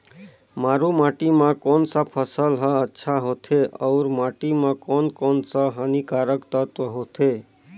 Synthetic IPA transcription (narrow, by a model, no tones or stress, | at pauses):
maɾumaʈimãkoːnsapʰəsəlɦəətːʃʰaɦot̪ʰeʔɔʊɾmaʈimãkonkonsaɦənikaɾəkt̪ət̪əɦot̪ʰe